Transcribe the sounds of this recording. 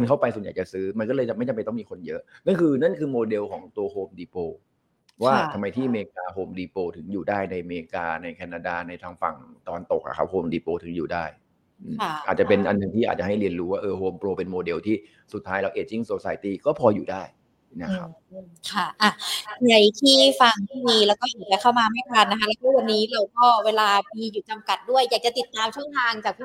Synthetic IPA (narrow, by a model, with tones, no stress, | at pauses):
a˧nkʰa˥˩wpa˧jsu˨˩˦nja̰ː˨˩jt͡ɕa˨˩sɯː˦˥ma˧nkɔː˥˩lɤː˧jt͡ɕa˨˩ma˥˩t͡ɕa˧mpjt̪ɔ˥˩miː˧kʰo˧njɤ˦˥ʔna˥˩nkʰɯː˧na˥˩nkʰɯː˧moː˧de˧wkʰɔː˩˦ŋt̪u˧ɐhoː˧mdiː˧poː˧ | waː˥˩t̪ʰa˧mːa˧jt̪ʰiː˥˩meː˧kaː˧ɦoː˧mdiː˧poː˧t̪ʰɯ˩˦ŋjuː˨˩daː˥˩jna˧jmeː˧kaː˧na˧jkʰɛː˧naː˧daː˧na˧jt̪ʰaː˧ŋfa̰˨˩ŋt̪a˧wa˧nt̪o˨˩k̚ʔa̰˨˩kʰa˦˥p̚hoː˧mdiː˧poː˧t̪ʰɯ˩˦ŋjuː˨˩daː˥˩j | ʔɯː˨˩a˥˩aː˨˩t̪̚t͡ɕa˨˩pe˧nʔa˧nːɯ˨˩ŋt̪ʰiː˥ʔa̰ː˨˩t̚t͡ɕa˨˩ɦa˥˩jli˧ənɾuː˦˥waː˥˩ʔɤː˧hoː˧mpɾoː˧pe˧nmoː˧de˧wt̪ʰiː˥˩ | su˨˩t̪ʰːaː˦˥jla˧wʔeː˨˩t̪̚ji˥˩ŋso˨˩sa˨˦jt̪iː˧˩kɔː˥˩pʰɔː˧juː˨˩daː˥˩j | na˦˥kʰːa˦˧ | kʰa˥˩ʔa˧˩ji˨˩ə˦jt̪ʰiː˥˩fa˧ŋt̪ʰiː˥˩miː˧lɛː˦˥wkɔː˥˩ju˨˩ka˧˩kʰa˥˩wmaː˧ma˥˩jpʰaː˧˩na˦kʰa˦˥lɛː˦˥wkʰːɔ˥˩wa˧nːiː˦˥ɾa˧wkɔː˥˩weː˧laː˧miː˧juː˨˩t͡ɕa˧mka˨˩t̪̚du˥˩əjːaː˨˩k̚t͡ɕa˨˩t̪i˨˩t̪ːaː˧mt͡ɕʰu˥˩ŋt̪ʰaː˧ŋt͡ɕaː˨˩k̚pʰ